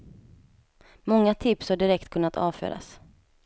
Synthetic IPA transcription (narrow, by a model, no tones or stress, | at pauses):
mɔŋːat̪ʰɪpshaɖɪɾɛk̚t̪kʰɵnːat̪ʰɑ̰ːvfø̰ːɾa̰s